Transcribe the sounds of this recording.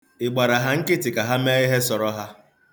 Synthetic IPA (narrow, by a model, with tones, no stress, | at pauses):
ɪ˨ɡ͡ba˨ɾa˨ɦa˦ŋ̩˦kɪ˦tɪ˨ka˨ɦa˦meː˦ɪ˦ɦe˦sɔ˨ɾɔ˦ɦa˦